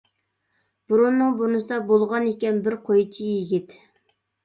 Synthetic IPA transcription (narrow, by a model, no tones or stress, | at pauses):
b̥uɾunːɨŋbunɨsɨd̪ɑbolˠʁɑnekʲɛnbɪɾqʰojt͡ʃʰijiɡʲit̪